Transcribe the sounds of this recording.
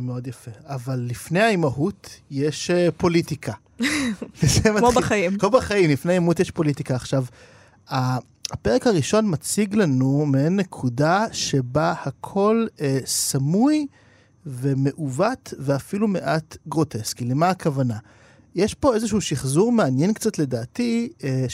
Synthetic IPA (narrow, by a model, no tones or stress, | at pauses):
meo̞d̪jafe̞avalːifne̞aimaɦutje̞ʃpo̞litikʰa | zemaobχaimkobaχajimlifneaimautjeʃpo̞litikaːχʃav | aː | peʁekhaʁiʃo̞nmat͡siɡlanumeenːe̞kʰudaʃe̞bahakʰo̞lesamuj | ve̞me̞ʔuvatveafilume̞ʔatɡʁo̞tʰe̞skilemaːkavana | jeʃpo̞ezeʃuuʃiχzuʁmeanje̞nkt͡satle̞daːti